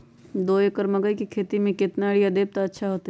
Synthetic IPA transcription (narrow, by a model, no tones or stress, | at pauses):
d̪oːekəɾmɐɡəikikʰeːt̪imẽkɪt̪naɽijɐd̪eːb̚t̪aɐtːʃʰaɦoːt̪a